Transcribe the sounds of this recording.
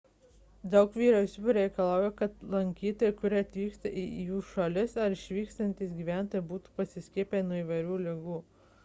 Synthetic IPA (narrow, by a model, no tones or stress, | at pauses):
d̪ɐʊkʋʲiːɾɛʊsʲuːɾʲɛɪkɐlˠɑˑʊjokɐt̪lˠɐŋʲkʲiːt̪oːjɛkʊɾʲɪɐt̪ʲʋʲiːkst̪ɐʔɪjuːʃɐlʲɪsɐɾɪʃʲʋʲiːkst̪ɐnʲt̪ʲiːsɡʲiːʋʲæˑnt̪oːjɛbuːt̪u̥pɐsʲɪsʲkʲiɛpʲenuɔiːʋɐɪɾʲuːlʲɪɡuː